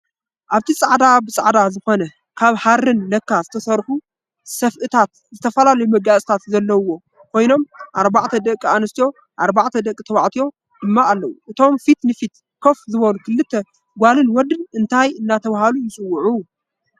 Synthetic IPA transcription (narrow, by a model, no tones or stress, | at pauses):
ʔaβt̪ʰisʼaʕd̪abɨsʼaʕd̪azɨxo̞nɐ | kʰaβħaɾːɨnːɐkːazɨt̪ʰɐsɐɾħu | sɐfʔɨt̪ʰat̪ | zɨt̪ʰɐfɐlalɐjumɐɡasʼt̪ʰat̪zɐlːɐwːo̞ | kʰo̞jno̞mʔaɾbaʕt̪ʰɐd̪ɐkʼːianɐst̪ʰjo̞ | ʔaɾbaʕt̪ʰɐd̪ɐkʼːit̪ʰɐβaʕt̪ʰijo̞ | d̪̥ɨmːaːlːɐwuʔɨt̪ʰo̞mfit̪nɨfit̪ | kʰo̞fzɨβonukʰɨlːɨt̪ʰːɐ | ɡʷalɨnwɔd̪ɨnɨnt̪ʰajɨnːat̪ʰɐβahalujɪsʼɨwːʊʕu